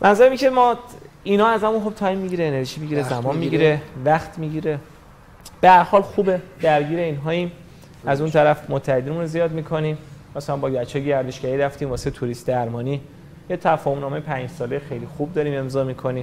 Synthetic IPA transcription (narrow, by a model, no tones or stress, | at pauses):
mʔænzæɾæmikʲʰemɒː | inɒːæzæmunxo̞b̥̚t̪ʰɒːjmːiɟiɾeːne̞ɾʒiːmiɟiɾezæmɒːnmiɡiɾe̞væχt̪ʰmiɟiːɾe̞ | b̥eæɾhɒːlxuːbe̞d̪̥æɾɟiːɾe̞iːnɦɒːim | æzunt̪ʰæɾæfmot̪ʰːæhed̪iːnmunozijɒːd̪miːkʰo̞niːmmɒsæmbɒːɟæt͡ʃʰejeɟæɾd̪e̞ʃɡæɾiɾæft̪iːmvɒːset̪ʰuɾist̪d̪æɾmɒːniː | jet̪ʰæfɒːhomnɒːmejepʰænd͡ʒsɒːlejxejliːxub̚d̪ɒːɾiːme̞mzɒːmikʰo̞niːm